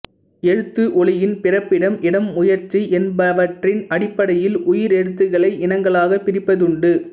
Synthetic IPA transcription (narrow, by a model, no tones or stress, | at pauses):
ɛɻɯt̪ːɯʔɔɭɪjɪnpɪrɐpːɪɽɐmʔɪɽɐmːʊjɐɾt͡ʃːiʔɛnbɐʋɐʈrɪnɐɽɪpːɐɽɐjɪlʊjɪɾɛɻɯt̪ːɯɣɐɭɐɪʔɪnɐŋɡɐɭaːɣɐpɪɾɪpːɐðɯɳɖɯ